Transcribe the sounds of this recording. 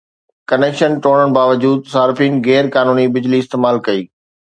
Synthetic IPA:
kɐneːkʃənʈoːɽ̃əɽ̃baːʋəd͡ʑuːd̪saːɾɪfiːnɣɛːɾkaːnuːnibɪd͡ʑliɪst̪eːmaːlkɐiː

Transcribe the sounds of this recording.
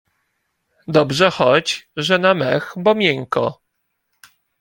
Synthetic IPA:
d̪ɔbʐɛxɔd͡ʑʐɛnamɛxbɔmʲjɛŋkɔ̰

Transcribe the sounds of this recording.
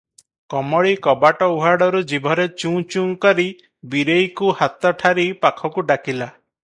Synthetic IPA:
kɔmɔɭikɔbaʈɔuɦaɽɔɾud͡ʒibʱɔɾet͡ʃũːt͡ʃũŋkɔɾi | biɾejkuhat̪ɔʈʰaɾipakʰɔkuɖakila

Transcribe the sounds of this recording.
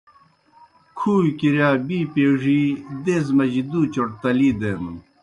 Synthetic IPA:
kʰuːjkiɾjaːbiːpeːwʐid̪eːzmɐʑid̪uːt͡ɕoʈ̚t̪ɐliːd̪eːnun

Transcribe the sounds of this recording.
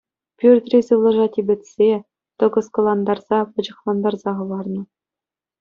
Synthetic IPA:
pʲyrʲt̪ʲrʲisɯʋlˠɤ̆ʐɑtʲibʲɘ̆tʲsʲe | t̪ɤ̆ɡɤ̆skŏlˠɑnd̪ɑrz̥ɑpɤ̆d͡ʑɤ̆χlˠɑnd̪ɑrzɑχɤ̆ʋɑrnɤ̆

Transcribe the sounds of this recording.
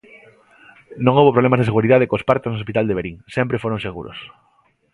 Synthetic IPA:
nõŋowβopɾoβlemazðeseɣuɾiðað̞ekospaɾt̪eznos̬pit̪ald̪eβeɾiŋsɛmpɾefoɾoŋseɣṵɾo̰s

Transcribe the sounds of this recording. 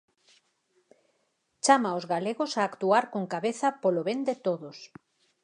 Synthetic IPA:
t͡ʃamaozɣaleɣosaːkt̪uaɾkoŋkaβeθɐpoloβend̪et̪oðos

